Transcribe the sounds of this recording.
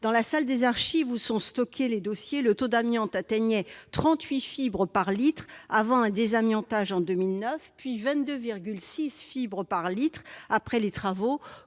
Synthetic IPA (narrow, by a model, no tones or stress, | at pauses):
d̪ɑ̃lasald̪ezaʁʃivusɔ̃st̪ɔkʰʲeled̪osjelət̪od̪amjɑ̃t̪at̪ɛɲɛt̪χɑ̃t̪ɥifibʁəpaʁlit̪χavɑ̃ɛ̃d̪ezamjɑ̃t̪aʒɑ̃d̪ømilnœfpɥivɛ̃t̪̚d̪øviʁɡʲylsisfibʁəpaʁlit̪χapχɛlet̪χavo